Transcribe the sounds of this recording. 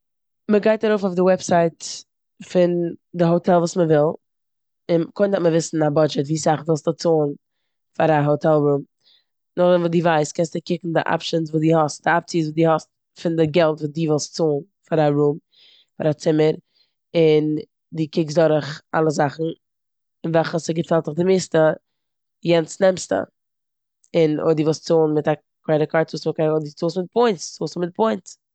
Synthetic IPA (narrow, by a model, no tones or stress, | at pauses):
məɡaɪtaɾoʊfaʊfdɪwɛpsaɪt | fɪndɪɦotʰɛlˠvuːsməvɪlˠ | ɪnkoɪndatməvɪsn̩abɔd͡ʒɛtviːsaχvɪlˠstət͡soːn | faɾaɦotʰɛlˠɾuːm | nʊχdɛnvidiːvaɪstkɛnstdɪkɪkŋ̩dɪʔa̰pʃənsvuːdiːhɔst̚d̥ɪap̚t͡sis̬vudiːhɔst | fɪndɪɡɛlˠtvuːdiːvɪlˠstt͡soːn | faɾaɾum | faɾat͡sɪməɾ | ɪn | diːkɪksdɔɾɪχalˠəzaχn̩ | ɪnvɛlˠχəsɪɡəfɛlˠtɪχdɪmɪstə | jɛnt͡snɛmstə̰ | ɪno̰diːvɪlˠst͡soːnmɪta | kwaɪɾəkʰaɪɾuːsvɔkaodiːt͡soːsmɪt̚pʰɔɪnsoːsmɪt̚pʰɔɪnt͡s